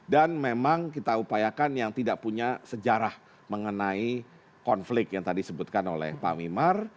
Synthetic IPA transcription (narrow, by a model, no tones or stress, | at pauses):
danmemaŋkit̪aupajakanjaŋt̪idaʔ̚puɲasəd͡ʒaɾah | məŋənai | kɔnflɪk̚t̪jaŋt̪adidisəbut̪̚kano̰lɛ̰hpa̰wimar